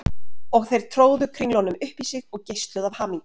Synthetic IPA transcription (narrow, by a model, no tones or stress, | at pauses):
ɔɣθejɾ̥t̪ʰɾoːwðʏkʰɾinlɔnʏmʏhpisɪɣɔɣcejst̪lʏðavhaːmiŋk